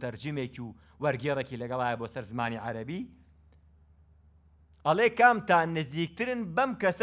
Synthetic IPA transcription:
t̪ʰɐɾd͡ʒimeːci | wɐɾɡeːɾeciːlɐɡɐlˠaːjɐboːsɐɾzɨmaːniʕaɾɐbi | ʔɐlˠeːkaːmt̪aːnɨziːk̚t̪ɨɾɨnbɐmkɐs

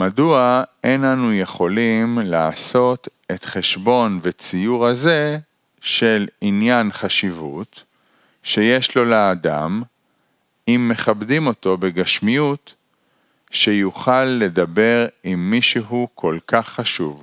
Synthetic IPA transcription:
maduaenanuje̞χo̞limlaːso̞t | e̞t̪χe̞ʃbo̞nvet͡sijuʁhaze̞ | ʃe̞linjanχaʃivṵt | ʃe̞je̞ʃlo̞leːd̪a̰m | imːe̞χabdimo̞t̪o̞beɡaʃmijut | ʃejuχalːe̞d̪abe̞ʁimːiʃuɦukʰo̞lkaχːaʃṵv

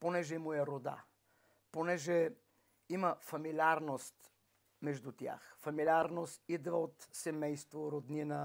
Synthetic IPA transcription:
ponɛʒɛmuɛɾod̪a̰ | ponɛʒɛ | imɐfɐmilʲiaɾnost̪ | mɛʒd̪ut̪ʲja̰xfɐmilʲiaɾnost̪id̪vɐot̪sɛmɛjst̪voɾod̪ninɐ

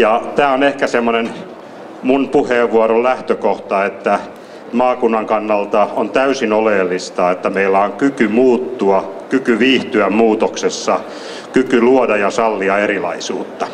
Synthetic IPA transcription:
jɑt̪æːonehkæsemːonen | munpuheːʋʋːuɑɾollæht̪økoht̪ɑet̪ːæ | mɑːkunːɑŋkɑnːɑlt̪ɑont̪æysinoleːlːist̪ɑet̪ːæmeilːæoŋkykymuːt̪ːuɑkykyʋiːht̪yæmmuːt̪oksesːɑ | kykyluodɑjɑsɑlːiɑerilɑ̰isṵːt̪ːɑ

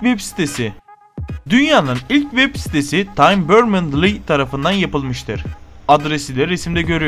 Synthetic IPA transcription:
vɛpsi̥t̪ʰesɪ | d̪ynjaːnɯnilʲcvɛbsi̥t̪ʰesit̪ʰajmbøɾmɯnd̪lˠit̪ʰaɾafɯnd̪anjapɯlˠmɯʃt̪ʰɯɾ̥ad̪ɾesid̪ʲɛɾesimd̪ɛɟø̞ɾyj

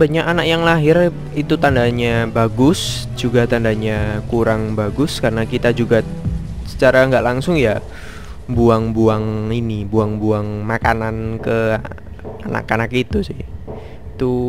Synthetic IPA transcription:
baɲakanak̚jaŋlaɦɪr | it̪ut̪andaɲabaɡʊs | d͡ʒuɡat̪andaɲakuɾaŋbaɡʊskaɾənakit̪ad͡ʒuɡasə̥t͡ʃaɾaŋɡaʔlaŋsʊŋja | buaŋbuaŋinibuaŋbuaŋmakanankə | ana̰kanakit̪usɪh | it̪u

